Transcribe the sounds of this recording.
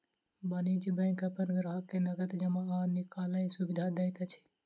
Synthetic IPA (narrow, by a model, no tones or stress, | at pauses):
bənid͡ʒbə̃kəpənɡɾaɦkːenəɡət̪d͡ʒəmaanikaləjsubid̪ʱad̪ɛjt̪ət͡ʃʰi̥